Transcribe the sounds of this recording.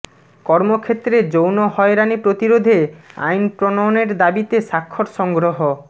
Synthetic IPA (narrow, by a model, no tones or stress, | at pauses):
kɔɾmokʰet̪ɾed͡ʑownɔɦɔeɾanipɾot̪iɾod̪ʱea̰jnpɾonaneɾd̪abit̪esakʰːɔɾsɔŋɡɾoɦo